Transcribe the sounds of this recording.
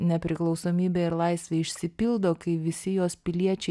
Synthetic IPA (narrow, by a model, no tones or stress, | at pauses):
nʲɛpʲɾʲɪklˠɒʊsoːmʲiːbʲeːɪɾlˠɐɪsʲʋʲeːɪʃʲsʲɪpʲɪlˠd̪oːkɐɪʋʲɪsʲɪjoːspʲɪlʲiɛt͡ʃʲɛɪ